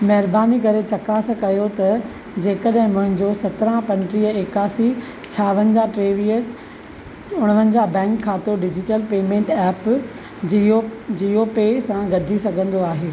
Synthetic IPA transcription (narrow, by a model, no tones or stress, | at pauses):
mɐɦɪɾbaːnikɐɾet͡ɕɐkaːsɐkɐjot̪ɐ | d͡ʑeːkəɗɦɪ̃mʊ̃ɦɪ̃ɲd͡ʑosɐt̪ɾãpɐ̃ɳʈɾiːəeːkaːsi | t͡ɕʰaːʋənɪ̆d͡ʑaʈɾeːʋiːə | ʊɽ̃ʋənɪ̆d͡ʑaːbɛ̃ːŋkʰːaːt̪oɖɪd͡ʑɪʈəlpeːmẽːɳʈɛːp | od͡ʑioːpesãɡɐɖʱisɐɡʱə̃nd̪oaːɦeː